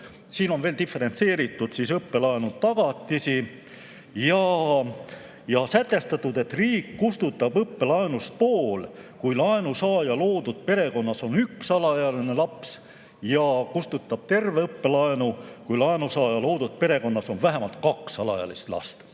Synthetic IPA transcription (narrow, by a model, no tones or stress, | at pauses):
siːno̞nve̞ːlt̪ifˑe̞ɾe̞nt̪se̞ːɾit̪ːˑud̪̥sisɤpːe̞lɑenut̪ɑɡ̥ɑt̪ːˑisi | jɑ | jɑsæt̪ːˑe̞st̪ɑt̪ːˑud̪e̞t̪ːriːkːust̪ut̪ːˑɑb̥ɤpːe̞lɑenust̪̚poːlkujlɑenusɑːjɑlo̞ːd̪ud̪̥̚pe̞ɾe̞ko̞nːɑso̞nyksɑlɑjɑline̞lɑps | jɑkust̪ut̪ːˑɑb̥̚t̪e̞rve̞ɤpːe̞lɑenukujlɑenusɑːjɑlo̞ːd̪̥ud̪̚pe̞ɾe̞ko̞nːɑso̞nvæɦemɑlt̪kɑksɑlɑ̰jɑ̰list̪lɑ̰st̪